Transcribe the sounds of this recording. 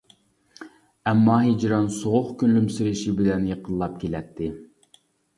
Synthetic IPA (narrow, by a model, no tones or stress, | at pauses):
ɛmːɑɦed͡ʒɾɑnsoʁʊχkʲynlymsɪɾɪʃibɪlɛnjeqʰəlˠːɑp̚kʲʰelɛt̪ʰːɪ